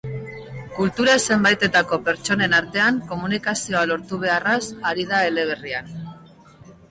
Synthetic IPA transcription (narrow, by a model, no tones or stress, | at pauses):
kult̪uɾase̞mbajt̪e̞t̪ako̞pe̞ɾt͡ʃo̞ne̞naɾt̪e̞aŋko̞munikasio̞alo̞ɾt̪uβ̞e̞arasaɾiðaele̞β̞e̞rian